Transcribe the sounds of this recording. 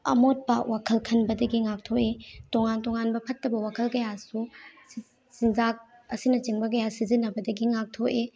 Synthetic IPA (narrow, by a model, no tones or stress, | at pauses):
ɐ̰mot̚bawakʰɐlkʰɐnbɐdɐɡiŋak̚tʰoʔetoŋantoŋanbɐpʰɐtːɐbɐwakʰɐlkɐjasu | sinzak̚ɐsinɐt͡ʃiŋbɐk̬ɐjasizinːɐbɐdɐɡiŋak̚tʰoʔe